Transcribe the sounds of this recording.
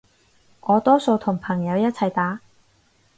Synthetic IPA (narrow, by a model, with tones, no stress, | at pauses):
ʔɔː˨˧t̪ɔː˥so˧wt̪ʰʊ˨˩ŋpʰɐ˨˩ŋjɐ˨˧wjɐ˥t̚t͡sʰɐ˨˩jt̪aː˨˥